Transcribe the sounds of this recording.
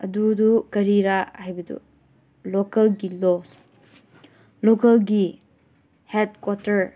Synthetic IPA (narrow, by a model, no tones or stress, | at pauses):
ɐdudukɐɾiɾahajbɐdṵ | lokɐlɡilɔs | lɔkɐlɡi | hed̚kwɔtɐɾ